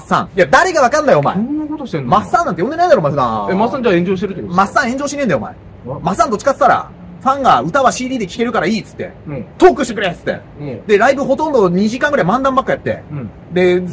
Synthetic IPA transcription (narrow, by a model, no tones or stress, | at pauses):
sːã̰ŋjad̪aɾe̞ɡaβakãnd̪ajoːma̰enkot̪oɕemasːãnːãnt̪ejõnd̪e̞naĩd̪aɾomasãemassːãɲd͡ʑaːẽ̞ɲd͡ʑo̞ːɕit̪eɾɯ̟t̪omasːãẽ̞ɲ̟d͡ʑo̞ːɕinend̪ajoma̰e | masɨ̥ːãnt̪o̞t͡ɕi̥kat͡sɨ̥t̪aɾa̰ | ɸãŋɡaɯ̟t̪aβaɕiːd̪ʲiːd̪e̞kʲi̥ke̞ɾɯ̟kaɾaiːt͡sɨ̥t̪ːe̞̰t̪oːkɯ̟ɕt̪ikɯɾet͡sɨ̥t̪ːe̞̰ | d̪eɾaibɯ̟ho̞t̪õ̞nd̪o̞ɲ̟iʑikãŋɡɯɾaimãnd̪ãmbakːɯ̟jat̪ːe̞̰ | d̪e̞